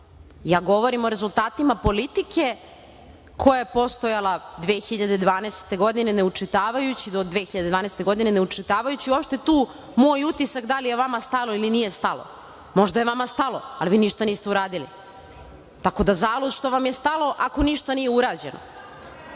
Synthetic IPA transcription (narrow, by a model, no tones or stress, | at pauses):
jaːɡo̞ʋo̞ɾimo̞ɾe̞zulˠt̪aːt̪imapo̞lit̪ikʰe̞ | kʰo̞jaje̞po̞st̪ojalˠad̪ʋeːxiʎad̪ed̪ʋaːnest̪e̞ɡo̞d̪ineneut͡ʂit̪aːʋajut͡ɕid̪od̪ʋexiʎad̪ed̪ʋaːnest̪e̞ɡo̞d̪ineneut͡ʂit̪aːʋajut͡ɕiuopʃt̪e̞t̪uː | moːjut̪isakd̪alijeʋamast̪alˠo̞ilinije̞st̪alo̰ | mo̞ʒd̪ajeʋamast̪alo̞a̰liʋiːniʃt̪aniːst̪euɾaːd̪ilḭ | t̪ako̞d̪azaːlˠod̪ʃt̪o̞ʋamjest̪alo̞ʔako̞niʃt̪anijeuɾaːd͡ʑenʔo̰